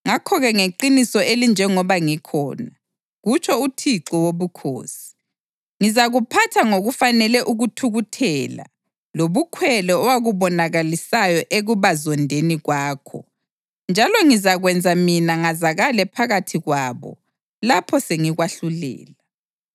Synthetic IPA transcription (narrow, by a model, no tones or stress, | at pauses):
ŋakʰɔɣɛŋeǃinisɔelind͡ʒʱɛŋɔβaŋikʰɔ̰ːna | ɣut͡ʃʰʼɔutʰiǁɔwoβukʰo̰ːsi̥ | ŋizaɣupʰatʰaŋoɣufanɛlɛʔuɣutʰuɣutʰɛːla̰ | loβukʰwɛlɛɔwaɣuβɔnaɣalisajɔʔeɣuβazɔndʱeniɣwaːkʰɔ̰ | nd͡ʒʱalɔŋizaɣwɛnd͡zʱaminaŋazaɣalɛpʰaɣatʰiɣwaːβɔ̰ | lapʰɔseŋiɣwaɬulɛ̰ːla